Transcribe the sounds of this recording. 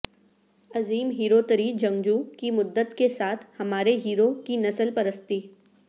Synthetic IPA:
ɐziːmɦiːɾot̪əɾiːd͡ʒɐ̃ŋɡd͡ʒukimʊd̪ːət̪kesaːt̪ʰhɐmaːɾeɦiːɾokinɐsəlpɐɾəst̪iː

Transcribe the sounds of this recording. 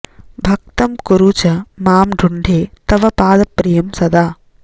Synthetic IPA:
bʱɐk̚t̪ɐmkuɾuːt͡ʃɐmaːmɖʱuɳɖʱeːt̪ɐʋɐpaːd̪ɐpɾijɐmsɐd̪aː

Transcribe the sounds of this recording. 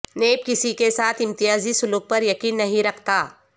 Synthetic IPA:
neːb̚kɪsikesaːt̪ʰɪ̃mt̪ɪjaːzisʊluːk̚pɐɾjɐkiːnːɐɦĩɾɐkʰt̪aː

